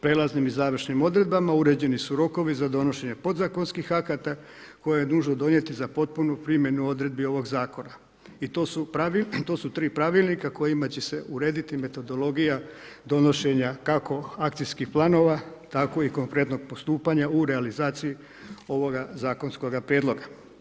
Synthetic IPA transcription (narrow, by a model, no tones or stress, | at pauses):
pɾelˠaznimizaːʋr̩ʃnimo̞d̪ɾe̞d̪̚bamauɾe̞d͡ʑe̞nisuɾo̞ko̞ʋizad̪o̞no̞ʃeɲe̞po̞d̪zako̞nskixakat̪a | ko̞jejenuːʒnod̪o̞ɲe̞t̪izapo̞t̪̚punupɾimje̞nuo̞d̪ɾe̞d̪̚bio̞ʋo̞ɡzaːko̞na | it̪oːsupait̪o̞ːsut̪ɾiːpɾaʋilˠnikako̞jimat͡ɕe̞se̞ʔuɾeːd̪it̪ime̞t̪o̞d̪o̞lo̞ɡija | d̪o̞no̞ʃe̞ɲakako̞akt̪sijskixplˠaːno̞ʋat̪ako̞iko̞ŋkɾe̞t̪no̞ɡ̚po̞st̪uːpaɲauɾealizaːt̪siji | o̞ʋo̞ɡazaːko̞nsko̞ɡapɾjeːd̪lˠo̞ɡa